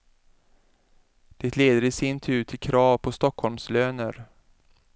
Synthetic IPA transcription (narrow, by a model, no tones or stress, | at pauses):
d̪̥ɛt̪ʰleːd̪əɾɪsɪnt̪ʰʉ̟ːʈʰɪlkʰɾɑːvpʰɔst̪ɔkhɔlmsløːnəɾ